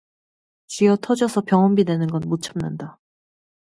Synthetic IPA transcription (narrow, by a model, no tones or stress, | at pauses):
t͡ɕɥijʌtʰʌd͡ʑʌsʰʌpjʌŋɦʌmbidwe̞nɯnɡʌnmot͡ɕʰamna̰nda